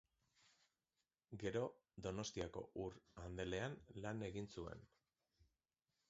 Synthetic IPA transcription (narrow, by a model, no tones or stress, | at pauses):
ɡe̞ɾo̞ðd̪o̞no̞st̪iako̞̰ʔurand̪e̞le̞anlane̞ɣinsue̞̰n